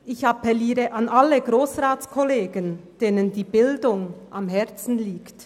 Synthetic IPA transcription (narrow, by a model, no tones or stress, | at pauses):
ʔɪçɑpɛliːɾəʔɑnʔaləɡʁoːsʁaːtt͡skʰɔleːɡənd̥eːnəndiːbɪldʊŋʔamɦɛɐt͡sn̩liːkt